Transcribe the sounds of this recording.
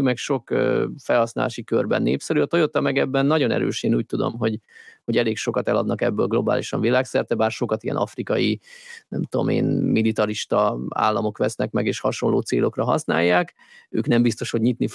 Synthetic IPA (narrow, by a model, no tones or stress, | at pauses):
ymɛkʃo̞køːfɛlhɒsnaːlaːʃikørbɛ̰nːḛːpsɛɾyɒt̪ojot̪ɒmɛɡɛbːɛnːɒɟo̞nɛ̰ɾø̰ːʃeːnuːc̚t̪ud̪o̞̰mɦo̞ɟho̞ɟɛleːkʃo̞kɒt̪ɛlɒd̪nɒkɛbːøːlɡlo̞ba̰ːliʃɒɱvilaːksɛrt̪ɛbaːrʃo̞kɒt̪ijɛ̰nɒ̰frikɒjinɛmt̪uo̞̰mḛːnmilit̪ɒɾiʃt̪ɒa̰ːlːɒmo̞kʋɛsnɛkmɛɡeːʃhɒʃo̞nloːt̪seːlo̞krɒɦɒsna̰ːjːaːk | ø̰ːknɛmbist̪o̞ʃho̞ɟɲit̪nif